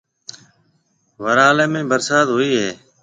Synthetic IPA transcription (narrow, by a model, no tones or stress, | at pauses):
ʋəɾaːleːmẽːbəɾsaːd̪ɦoːiːɦeː